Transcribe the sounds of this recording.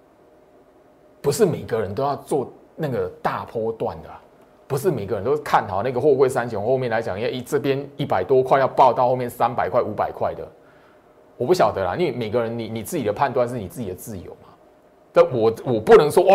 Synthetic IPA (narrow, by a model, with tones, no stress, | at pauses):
pu˧˦ʂɻ̩˥˩me˨˩ɪɡə˨ɻə˨˦nt̪̬o˥ʊjɑ˥˧ʊt͡swɔ˥˧ | na˥˩ɡə˩t̪a˥˩pʰɔ˦t̪wa̰˥˩nd̪ə˩a˨˩ | pu˧˦ʂ̬ɻ̩˥˩me˨˩ɡə˦ɻə˧˦nt̪o˥kʰa˥˩nhɑ˨˩ʊna˥˩ɡə˨xwɔ˥˧kwe˥˩ɪsa˦nt͡ɕʰjo˨˧˦ŋxo˥˧ʊmjɛ˥˩˨nla˧˦ɪt͡ɕjɑ˨˦ŋ˨˦˥ɛ˥˩t͡sə˥˩pjɛ˦ni˥˩pa˨˩ɪt̪wɔ˦kʰwa˥˧ɪjɑ˥˧ʊpɑ˥˧ʊt̪ɑ˥˧ʊxo˥˧ʊmjnsa˦˥npa˨˩ɪkʰwa˥˩ɪu˧˥pa˨˩ɪkʰwa˥˩ɪd̪ə̰˩ | wɔ˨˩pu˥˩ɕjɑ˨˩ʊd̪ə˦la̰˨ʔi˥nwe˥˩me˨˩ɪɡə˨˦ɻə˧˦nni˨ni˨˩t͡sɹ̩˥˩t͡ɕi˨˩d̪ə˩pʰa˥˧nt̪wa˥˧nʂ̬ɻ̩˥˩ni˨t͡s̩˥˩t͡ɕi˨d̪ə˩t͡sɹ̩˥˩jo̰˨˦ʊma˨ | ta˥˧wɔ˨˩wɔ˨˩pu˥˨nɤ˧˦ŋswɔ˥ʔ